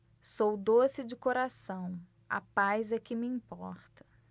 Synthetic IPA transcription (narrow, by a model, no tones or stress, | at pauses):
sowd̪osɪd͡ʒɪkoɾasɐ̃w̃ | a̰pajzɛkɪmɪĩpɔ̰ɾt̪ɐ̥